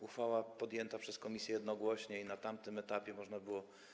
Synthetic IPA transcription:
uxfawapɔd̪jɛnt̪apʂɛskɔmʲisʲjɛjɛd̪nɔɡwɔɕɲɛinat̪amt̪ɘmɛt̪apʲjɛmɔʐnabɘwɔ

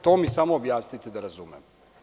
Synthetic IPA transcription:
t̪o̞ːmisamoːbjaːsnit̪ed̪aɾazumem

